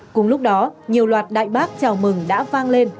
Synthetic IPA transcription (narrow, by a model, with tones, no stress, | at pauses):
kʊ̰˨˧˩ŋ͡mlʊ˦˥k͡p̚ɗɔ˨˦ɲi˨˩əwlwaː˨˩t̚ɗa̰ː˧˨jɓaː˦˥k̚t͡ɕaː˨˩wmɨ˨˩ŋɗa̰ː˧˥vaː˧ŋle˧n